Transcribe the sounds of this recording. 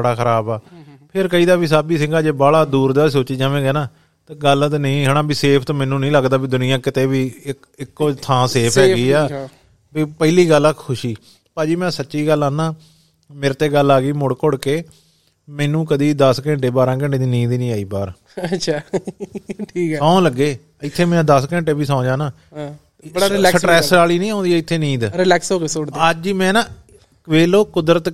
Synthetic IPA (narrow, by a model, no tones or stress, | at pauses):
bəɽaːkʰəɾaːbaːpʰɪɾkəiːd̪aːbiːsaːbiːs̬ɪ̃ŋɡaːd͡ʒeːbaːɭaːd̪uːɾd̪aːsoːt͡ʃiːd͡ʒãːʋẽːɡɛːnaː | t̪aɡəlt̪nəĩːɦəɳ̃ãːbiːseːpʰt̪aːmɛːnːũːnəĩːləɡd̪aːbiːd̪ʊnɪjãːkɪt̪eːbiːɪ | ɪkːoːt̪ʰãːseːpʰɦɛːɡiːaː | biːpəiliːɡəlːakʰʊʃiː | paːd͡ʒiːmɛ̃ːsətːʃiːɡəlːaːnaː | meːɾt̪eːɡəlːaːɡiːmʊɽkʊɽkeː | mɛːnũːkəd̪iːd̪əskəɛ̃ɳʈeːbaːɾãːk̬ɛ̃ɳʈeːd̪iːniːd̪inĩːaːiːbaːɾ | əʃʰaː | ʈʰiːkːãːləɡːeː | ɪt̪ʰːeːmɛ̃ːd̪əskɛ̃ːɳʈeːbiːsãːʊ̃d͡ʒãːnãː | bəɽaɾɪlːksəʈɾɛːsɾaːliːnĩːãːnd̪iːɛːɪt̪ʰːeːniːd̪ɾɪlɛːksɦoːɡeːsoɽd̪əd͡ʒimɛ̃ːnãː | kʋeːloːkʊd̪ɾət̪